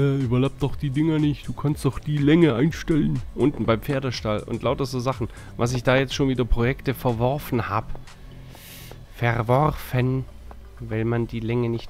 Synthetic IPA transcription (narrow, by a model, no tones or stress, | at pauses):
ɛːʔyːbɐlaʊp̚d̥ɔxd̥iːdɪŋənɪçtd̥uːkʰanstd̥ɔχd̥iːlɛŋəʔaɪnʃtɛlənʔʊntn̩baɪmfeːɐdɐʃtalʔʊ̰ntlʔaʊtɐzoːzaχn̩ | vas̬ɪçd̥aːjɛt͡stʃoːnviːdɐpʁ̥ojɛktəfɛɐvɔɐfn̩haːb | fɛʁvɔʁfən | vaɪlmandiːlɛŋənɪçt